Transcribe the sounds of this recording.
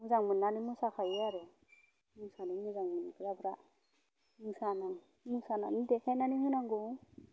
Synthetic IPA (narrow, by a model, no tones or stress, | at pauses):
muzaŋmɯnːanimusakʰajaɾɯ | musanimɯzaŋmɯnkʰɯɾabɾa | musanaŋ | musananidɛkʰajnanihɯnaŋɡu